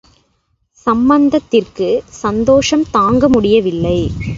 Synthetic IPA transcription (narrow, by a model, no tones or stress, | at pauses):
sɐmbɐnd̪ɐt̪ːɪrkɯsɐnd̪oːʂɐmt̪aːŋɡɐmʊɽɪjɐʋɪlːɐɪ